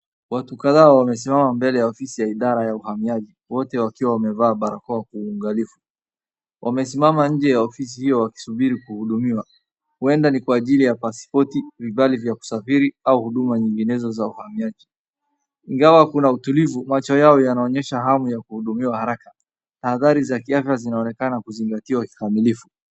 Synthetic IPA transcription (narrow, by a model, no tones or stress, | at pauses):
watukaðaːwamɛs̬imamambɛlɛjaɔfisijaiɗaɾajauhamiaʄiwɔtɛwakiwawamɛvaːɓaɾakɔakuːŋɡalifu | wʔamɛsimamaɲ̩d͡ʒɛjaɔfis̬ihijɔwaki̥suɓiɾikuhuɗumiwa | huɛndanikwaːʄilijapaspɔtivivalivjaku̥safiɾiauhuɗumaɲiŋɡinɛzɔzauhamiaʄi | iŋɡawakunautulivumat͡ʃɔjaɔjanaɔɲɛʃaɦamujakuhuɗumiwahaɾaka | tahaðaɾizakiafjazinaɔnɛkanakuziŋɡatiwaki̥kamilifu